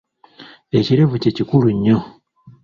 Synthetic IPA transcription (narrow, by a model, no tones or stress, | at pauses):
e̞ciɾevucecikuɾuɲːo